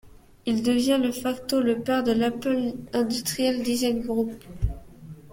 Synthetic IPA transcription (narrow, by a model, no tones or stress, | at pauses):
ild̪əvjɛ̃ləfakt̪oləpɛʁd̪əlapœlɛ̃d̪yst̪χijɛld̪izajnɡʁup